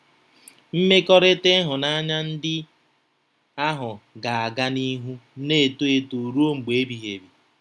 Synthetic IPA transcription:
m̩˦me˦kɔ˦ɾe˦te˦ɦʊ˨na˦a˦ɲa˦n̩˦dɪ˦ | a˦ɦʊ˨ɡa˨a˨ɡa˦ni˦ɦu˦ne˦e˨to˦e˦to˨ɾu˦o˦ŋ͡m̩˨ɡ͡be˨e˦bi˨ɦe˨bi˨

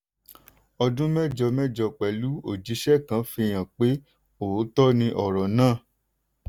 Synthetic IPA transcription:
ɔ˧dũ˦mɛ˦˨d͡ʒɔ˧mɛ˦d͡ʒɔ˧k͡pɛ˨lu˨˦o˦˨d͡ʒi˨˧˦ʃɛ˦˨kã˨˧˦fĩ˧j̃ã˨k͡pe˨˦ | o˨˦tɔ˦nĩ˧ʔɔ˨ɾɔ˨nãː˦˨

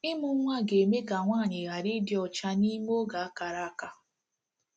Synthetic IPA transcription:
ɪ˦mʊ˦ŋʷa˦ɡe˨me˦ɡa˨ŋʷaː˦˨ɲɪ˨ɣa˨ɾi˦dɪ˦ɔ˨t͡ʃa˦ni˦mo˦ɡa˨a˦ka˨ɾa˦a˦ka˦

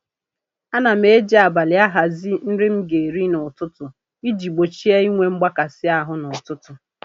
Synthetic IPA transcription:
a˦na˨m̩˦e˦d͡ʒi˦a˨ba˨lɪ˨˦a˦ɦa˨zi˦n̩˦ɾɪ˦m̩˦ɡe˨ɾi˦nʊ˨tʊ˦tʊ˨ | i˦d͡ʒi˨ɡ͡bo˨t͡ʃi˦a˦i˦ŋʷe˦m̩˦ɡ͡ba˦ka˨sɪ˦a˦ɦʊ˦nʊ˨tʊ˦tʊ˨

